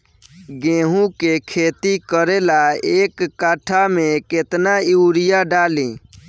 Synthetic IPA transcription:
ɡẽːɦũkekʰeːt̪ikəɾeːlaeːkːaːʈʰamẽkeːt̪naɪʊɾɪjaɖaːlĩː

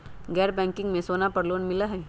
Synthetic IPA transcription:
ɡɛːɾbɛ̃ːŋkɪ̃ŋɡmẽsoːnapɐɾloːnmɪlaɦɛː

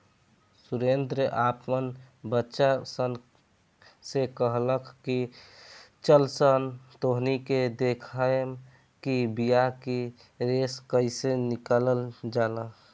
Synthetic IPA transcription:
suɾend̪ɾəʔapmən | bətːʃasən | sekəɦləkʰki | t͡ʃəlsənt̪oɦniked̪ekʰam | kibijaki | ɾeskəɪsenikaləld͡ʒalə

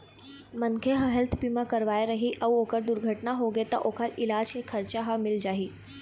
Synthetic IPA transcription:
mənkʰeɦəɦɛlt̪ʰpimakəɾʋaeɾəɦiʔəwokəɾd̪uɾɡʱəʈnaɦoɡet̪ə̰ʔokʰəɾɪlaːd͡ʒkekʰːəɾt͡ɕaɦamɪld͡ʒaɦiː

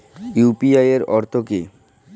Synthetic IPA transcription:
jupiajeɾɔɾt̪ʰoke

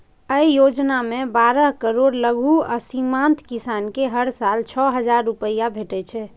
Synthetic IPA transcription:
əijod͡ʒnamebaɾəɦkəɾoɽləɡʱuəsimant̪kisankeɦəɾsalt͡ʃʰɔɦəd͡ʒaɾːupəjabʱeʈɛt͡ʃʰɛ

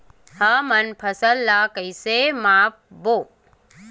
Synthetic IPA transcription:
həmɐnpʰɐsəlːakɐjsemaːp̚boː

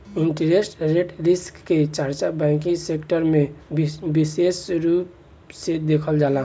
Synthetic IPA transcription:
iɳʈɾesʈɾeʈɾiskːet͡ʃaɾt͡ʃabɛ̃ŋkĩsekʈəɾmẽbisesɾup̚ | sed̪ekʰəld͡ʒaːlã

